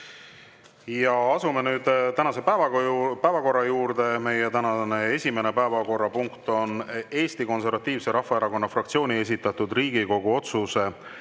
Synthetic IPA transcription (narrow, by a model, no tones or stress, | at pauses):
jɑɑsume̞nyːd̪̥t̪ænɑse̞pæːvɑpæːvɑko̞rːɑjuːɾd̪e̞me̞jet̪ænɑnee̞sʲime̞ne̞pæevɑko̞rːɑpuŋkt̪o̞ne̞ːst̪iko̞ns̬e̞ɾvɑt̪ːˑiːvse̞ɾɑhfːɑeɾɑko̞nːɑfrɑk̚t̪sio̞ːnʲie̞s̬ʲit̪ːˑɑt̪ːˑud̪riːɡ̥iko̞ɡ̥uo̞t̪suse̞